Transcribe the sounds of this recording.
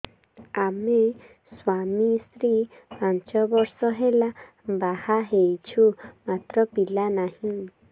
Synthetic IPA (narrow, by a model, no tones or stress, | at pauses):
amẽ | swamĩst̪ɾi | haɲt͡ʃɔbɔɾsɔɦela | bahaɦejt͡ʃʰumat̪ɾɔpilanãhĩ